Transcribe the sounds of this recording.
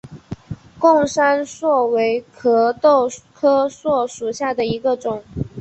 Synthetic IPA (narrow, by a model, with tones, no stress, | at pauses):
kʊ˥˩ŋʂa˥nswɔ˥˩we˧˥ɪkʰɤ˧˥t̪o˥˩ʊkʰɤ˥swɔ˥˩ʂu˨˩ɕja˥˩d̪ə˩i˧˥ɡə˧ʈ͡ʂʊ˨˩˦ŋ